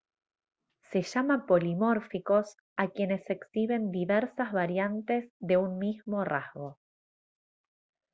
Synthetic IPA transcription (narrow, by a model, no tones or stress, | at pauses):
se̞ʃamapolimo̞ɾfiko̞s | akje̞ne̞se̞ksiβe̞nd̪iβeɾsazβaɾjant̪e̞zðe̞unmizmo̞razɣo̞